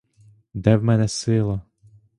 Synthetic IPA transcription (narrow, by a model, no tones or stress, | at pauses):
d̪ɛwmɛnɛsɪlˠɐ